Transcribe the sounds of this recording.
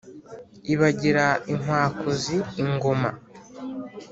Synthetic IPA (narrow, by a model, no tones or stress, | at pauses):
iβaɟiɾaiŋ̥waːkʰoziːŋɡo̞ma̰